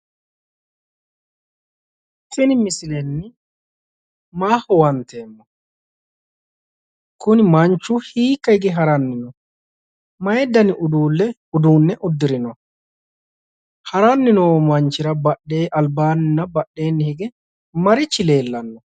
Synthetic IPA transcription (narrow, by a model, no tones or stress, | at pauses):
tːɪnɪmɪsɪlɛnːɪ | maːhɔwɐnt̪e̞ːmːɔ | kʊnɪmɐnt͡ʃːʊhiːkːɐhɪɡɛɦɐɾɐnːɪnɔ | mɐjɛd̪ːɐnɪʔʊd̪uːlːɛ | ʊd̪uːnːɛʔʊd̪ːɪɾɪnɔ | hɐɾanːɪnoːmɐnt͡ʃːɪɾɐbɐɗeːʔɐlbaːnɪnːɐbɐɗːe̞ːnːɪhɪɡɛ | mɐɾɪt͡ʃːɪle̞ːlːɐnːɔ